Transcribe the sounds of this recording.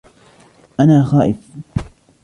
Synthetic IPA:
ʔanaːxaːʔɪf

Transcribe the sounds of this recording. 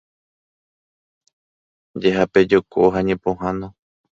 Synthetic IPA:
d͡ʒeɦape̞d͡ʒokʰo̰ɦaɲẽpõɦãnõ

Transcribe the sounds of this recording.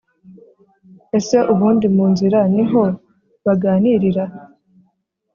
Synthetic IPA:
e̞se̞ʔuβuːndimuːnziɾaniɦo̞ | βaɡaːniɾiɾa

